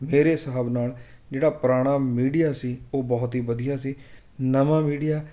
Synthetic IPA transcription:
meːɾeːsəɦəbnaːld͡ʒeːɽaːpɾaːɽ̃aːmiːɖijaːsiːoːbɔːt̪ɦiːʋəd̪ijaːsiː | nəʋãːmiːɖijaː

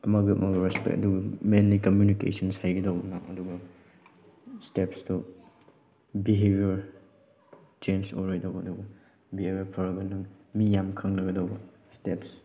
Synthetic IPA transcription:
ɐmɐɡɐɐ̰mɐɡɐɾɛspɛ̰kɐ̰duɡɐmenlikɐmjunikḛsɐnshajɡidawbɐnaɐ̰duɡɐ | stepstu | biɦebiɐɾ | t͡ʃenso̰ɾejdawɐduɡɐ | biɦebjɐɾpʰɐɾɡɐnɐŋ | mijamkʰɐŋnɐɡɐdowbɐ | steps

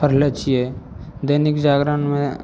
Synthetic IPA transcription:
pəɾlet͡ʃie | d̪ənɪkd͡ʒaːɡɾanmẽ

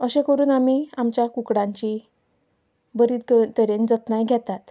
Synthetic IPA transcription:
əɕẽkəɾuːnamiamt͡ɕjakukɽãɲt͡ɕiː | bəɾiːt̪ɡət̪əɾend͡zət̪najɡʱɛt̪at̪

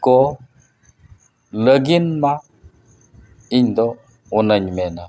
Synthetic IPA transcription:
ko | ləɡinma | iɲdo | unaɲmɛna

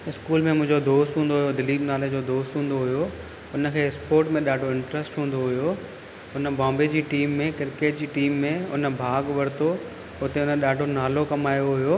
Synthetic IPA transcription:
ɪskuːlmẽmʊ̃ɦɪ̃ɲd͡ʑod̪oːst̪ɦũːnd̪oɦʊjod̪ɪliːbnaːled͡ʑoːd̪oːst̪ɦũːn̆d̪oɦʊjo | ʊnə̆kʰeːɪspoːɾʈmẽɗaːɖʱoɪ̃ɳʈɾəsʈɦũːn̆d̪oɦʊjo | ʊnəbãːmbed͡ʑiːʈiːmːẽkɪɾkeːʈ̚d͡ʑiːʈiːmːẽʊnə̆bʱaːɡʋɐɾt̪o | ʊt̪eʊnəɗaːɖʱonaːlokɐmaːjoɦʊjoː

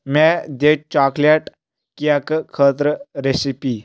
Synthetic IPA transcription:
mɛd̪eʈ̚t͡ɕakleʈ | kijakkʰət̪ɾəɾesipi

